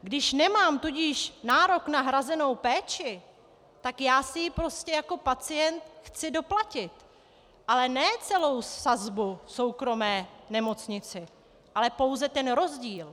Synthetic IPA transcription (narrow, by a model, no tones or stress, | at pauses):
ɡdɪʃnɛmaːmt̪uɟiːʃnaːɾo̞knaɦɾazɛno̞wpɛːt͡ʃɪ | t̪akjaːsɪjɪpɾo̞scɛjako̞pat͡sɪjɛnt̪̚xt͡sɪdo̞placɪt̪ | ʔalɛnɛːt͡sɛlo̞wsazbuso̞wkɾo̞mɛːnɛmo̞t͡sɲɪt͡sɪ | ʔalɛpo̞wzɛt̪ɛnɾo̞zɟiːl